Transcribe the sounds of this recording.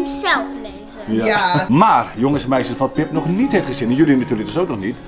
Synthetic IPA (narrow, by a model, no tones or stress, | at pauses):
ysɛlˠfɛ | maːrjoŋəsmɛjsəfɑnpɪpnɔχnitheftχəzɪnɛnjølinatyːrlək̚dəsowknɔχnit